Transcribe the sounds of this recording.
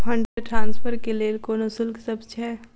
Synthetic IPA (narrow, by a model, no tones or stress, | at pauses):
ɦə̃ɳɖɾeɖʈɾãːnspʰəɾkeleːlkoːnosɪlksəbt͡ʃʰɛː